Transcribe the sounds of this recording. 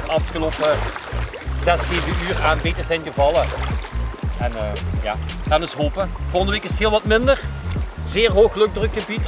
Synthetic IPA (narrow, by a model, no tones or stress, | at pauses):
ɑfxəlɔpə | zɛseːvəyːraːnbetəzɛjnɣəvɑlˠə | ʔɛnəːja̰̥ːɛnɪsɦoːpəvoːlˠɣəndəʋeːkɪstɦɪːlˠʋɑtmɪndərzɪːrɦoːxlɵɡ̚drətkxəbit